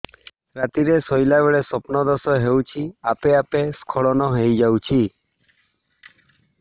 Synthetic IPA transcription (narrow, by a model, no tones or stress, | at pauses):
ɾat̪iɾesɔjlabeɭesɔpnɔd̪ɔsɔɦewt͡ʃʰiapeapeskʰɔɭɔnɔɦejd͡ʒawt͡ʃʰi